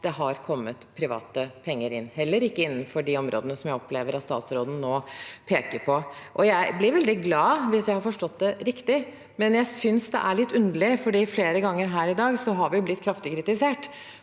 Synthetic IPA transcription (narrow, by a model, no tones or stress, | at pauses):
d̪̥ɛɦɑɾkʰɔmːət̪pʰɾɪʋɑ̰ːt̪əpʰɛŋːəɾɪnːhɛlːəɾɪkːəɪnːnfɔɖiɔmɾʔo̰ːd̪ənəsɔmjæɪɔpleːʋəɾɑt̪st̪ɑ̰ːt̪sɾoːd̪ən̩noːpʰeːkəɾpʰɔʔɔjæɪblɪɾʋɛld̪ɪɡlɑːʋɪsjæɪhɑɾfɔʂʈɔt̪̚ːd̪ɛɾɪkt̪ɪ | mɛnjæɪsʏnsd̪ɛ̰ʔæɭɪt̪ːʉnd̪əl̩ɪfɔɖiːfleːɾəɡɑŋːəɾɦæːɾɪd̪ɑːɡsɔɦɑɾʋɪjʊblɪt̪ːkʰɾɑft̪ɪkʰɾɪt̪ɪseːʈ